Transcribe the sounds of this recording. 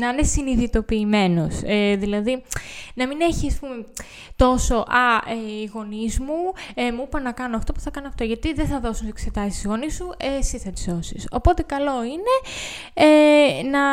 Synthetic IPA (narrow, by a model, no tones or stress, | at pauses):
nɐnesiniðit̪o̞piːme̞no̞seðilɐðinɐmine̞çisɐspume̞ | t̪o̞so̞ʔɐeiɣo̞nizmuemuipɐnɐkɐnoɐft̪o̞pu̥θɐkɐnoɐft̪oʝɐt̪iðeθɐðo̞sunt̪sekse̞t̪ɐsist̪izɣo̞nisuesiθɐt̪izðo̞siso̞̰po̞t̪e̞kɐlo̞ine̞ | enɐ